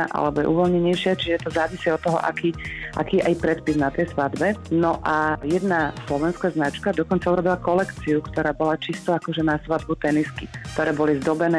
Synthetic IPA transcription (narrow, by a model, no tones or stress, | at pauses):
ʔa̰lɛbɔjɛ̰ʔṵʋɔlɲɛɲɛjʃɪat͡ʃiʒɛt̪ɔzaːʋisiɔt̪ːɔɦɔ̰ʔa̰kiːʔa̰kiːɛʔajpɾɛt̪piznat̪ɛjsʋad̪bɛnɔʔajɛd̪naslɔʋɛnskaznat͡ʃkad̪ɔkɔnt͡sauɾɔbilakɔlɛkt͡siukt̪ɔɾaːbɔlat͡ʃist̪ɔakɔʒɛnasʋad̪̚but̪ɛniskikt̪ɔɾɛːbɔlizd̪ɔbɛnɛː